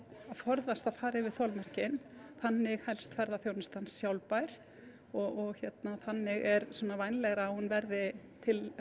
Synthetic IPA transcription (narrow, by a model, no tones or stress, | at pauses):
aðfɔɾðast̪aðfaːɾɪvɪðθɔlmɛr̥cɪnθanːɪɣhɛlst̪fɛɾðaθjownɪst̪ansːjawlpajɾ̥ | ɔɣɔɣçjɛt̪naθanːɪɣɛɾsɔːnavajnlɛɣɾaːhunvɛɾðɪ | t̪ʰɪl